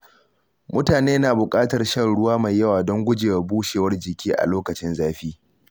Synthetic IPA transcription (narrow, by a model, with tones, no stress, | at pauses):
mʊ˦taː˨neː˦naː˨bʊ˨kʼaː˦tɐ˨rʃɐ˦˨nɽʊ˦waː˦ma˨jːɐ˦waː˨dɔ˦ŋɡʷʊ˦d͡ʒeː˨wa˨buː˦ʃeː˨wɐ˦rd͡ʒɪ˨kʲʰiː˦ʔa̰˨loː˦kɐ˨t͡ʃɪ˦nzaː˦ɸiː˦